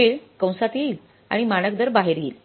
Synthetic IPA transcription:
eɭkə̃w̃sat̪iːl | a̰ɽ̃imaɽ̃ək̚d̪əɾbaɦeɾɡeːl

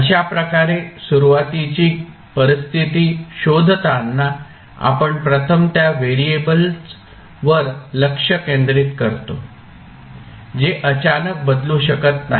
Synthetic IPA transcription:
əɕapɾəkaɾesuɾuʋat̪it͡ɕiː | pəɾist̪ʰit̪iːɕod̪ʱt̪anːa | a̰pəɳpɾət̪ʰəmt̪jaʋeɾiebəls | ʋəɾləkʂəkend̪ɾit̪kəɾt̪o | d͡ʑeʔət͡ɕanək̚bəd̪lũɕəkət̪naɦ

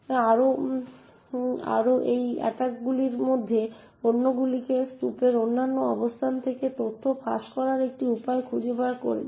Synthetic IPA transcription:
aɾo | a̰ɾoʔejɛ̰ʈakɡuliɾmod̪ʱːe | onːoɡulikesʈupeɾonːanːoɔbost̪ʰant̪ʰeket̪ot̪ʰːopʰa̰ʃkɔɾaɾek̚ʈiupaekʰud͡ʑobaɾko̰ɾḛ

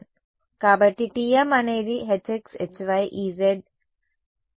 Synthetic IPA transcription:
kabɐʈiʈijamaneɾiɦeteksḛt͡ʃʋajʔiːzeɖ̚

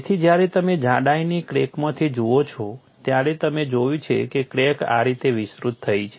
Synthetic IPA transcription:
t̪ʰid͡ʒjaɾet̪əmed͡ʒãɽaijnikɾekmãt̪ʰid͡ʒoot͡ʃʰɔ | t̪jaɾet̪əmed͡ʒojũt͡ʃʰḛkekɾeka̰ɾit̪eʋisɾut̪ʰːəit͡ʃʰ

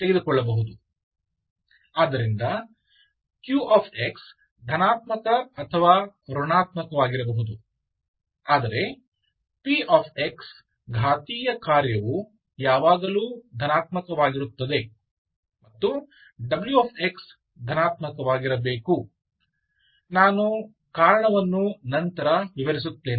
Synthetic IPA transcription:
t̪e̞ɡed̪ukɔɭːɐbɐɦud̪u | aːd̪ɐɾind̪ɐ | kjuːʔaːpʰeks | d̪ʱɐnaːt̪mɐkɐɐt̪ʰɐʋaːkɐɾuɳaːt̪mɐkɐʋaːɡiɾɐbɐɦud̪u | aːd̪ɐɾe̞ | piaːpʰeks | ɡʱaːt̪iːjɐkaːɾjɐʋu | jaːʋaːɡɐluːd̪ʱɐnaːt̪mɐkɐʋaːɡiɾut̪ːɐd̪e̞ | mɐt̪ːu | ɖɐbljuaːpʰeks | d̪ʱɐnaːt̪mɐkɐʋaːɡiɾɐbeːku | naːnu | kaːɾɐɳɐʋɐnːunɐnt̪ɐɾɐʋiʋɐɾis̬ut̪ːeː

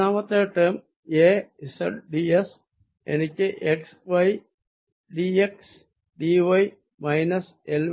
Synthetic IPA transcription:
aːmɐt̪ɐːʈem | eːisɐ̰ʈɖies | ḛnit͡ʃːeʔeksʋɐj | ɖieks | ɖiʋɐj | mɐjnɐs | el

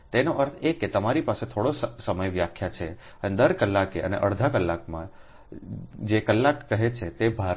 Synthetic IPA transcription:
t̪enoʔəɾt̪ʰekːet̪əmaɾipaset̪ʰoɽosəsəməjʋjakʰːjat͡ʃʰe | əned̪əɾkəlːakeʔə̰nḛʔəɽd̪ʱakəlːakmã̰ | d͡ʒekəlːakːəɦet͡ʃʰet̪ebʱa

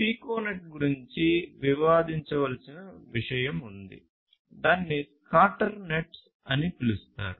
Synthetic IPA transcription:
piːkoːneʈ̚ɡuɾiɲt͡ʃiʋiʋaːd̪iɲt͡ʃɐʋɐlɐsinɐʋiʂɐjɐmund̪ḭ | d̪aːnːi | kaːʈɐɾneʈs | ɐnipilust̪a̰ːɾu

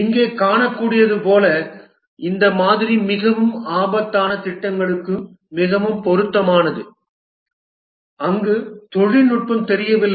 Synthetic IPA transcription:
ɪŋɡeːkaːɳɐkːuːɽɪjɐðɯpoːlɐ | ɪnd̪ɐmaːðɪɾimɪɣɐʋɯmaːbɐt̪ːaːnɐt̪ɪʈːɐŋɡɐɭɯkːɯː | ɪɣɐʋɯmpɔɾɯt̪ːɐmaːnɐðɯ | ɐŋɡɯt̪ɔɻɪnʊʈ̚pɐmt̪ɛɾɪjɐʋɪlː

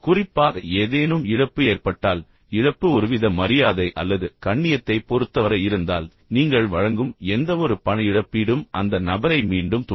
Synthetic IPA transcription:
kʊrɪpːaːɣɐeːðeːnɯmɪɽɐpːɯeːrpɐʈːaːl | ɪɻɐpːɯɔɾɯʋɪðɐmɐɾɪjaːðɐɪʔɐlːɐðɯkɐɳːɪjɐt̪ːɐɪpɔɾɯt̪ːɐʋɐɾɐɪɾɯnd̪aːl | niːŋɡɐɭʋɐɻɐŋɡɯmɛnd̪ɐʋɔɾɯpɐɳɐɪɽɐpːɪɽɯmʔɐ̰nd̪ɐnɐbɐɾɐɪmiːɳɖɯmt̪ʊ

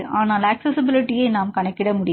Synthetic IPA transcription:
ʔaːnaːlɐksɛsɪbɪlɪʈːɪjɐɪnaːmkɐɳɐkːɪɽɐmʊɽɪ

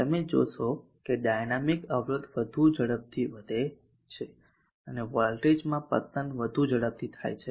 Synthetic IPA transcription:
t̪əmed͡ʒo̰ʃokeɖajnamikəʋɾəd̪ʋəd̪ʱud͡ʒəɽəb̚t̪ʰiʋəd̪ʱe | t͡ʃʰe | əneʋɔlʈed͡ʒmãpə̰t̪ənʋəd̪ʱũd͡ʒəɽəb̚t̪ʰit̪ʰa̰jt͡ʃʰe

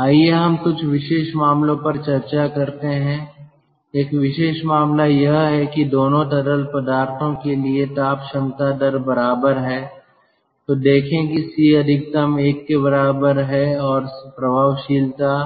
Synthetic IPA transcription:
aːieɦɐmkʊt͡ʃʰʋɪʃeːʃmaːmlõpɐɾt͡ʃɐɾt͡ʃakɐɾt̪eɦɛ̃ | eːkʋɪʃeːʃmaːmlajɐɦɦɛkid̪oːnõt̪ɐɾəlpɐd̪aːɾt̪ʰõkeliet̪aːpʃɐmt̪aɖ̪əɾbɐɾaːbəɾɦɛː | t̪oːd̪eːkʰẽkisiɐd̪ʱɪk̚t̪əmeːkːebɐɾaːbəɾɦɛɔːɾpɾɐbʱaːʋʃiːlt̪a

